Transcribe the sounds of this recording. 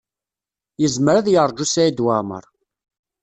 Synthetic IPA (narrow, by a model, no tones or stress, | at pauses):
jəzməɾaðjəɾˤd͡ʒːusæid̪wamə̰ɾˤ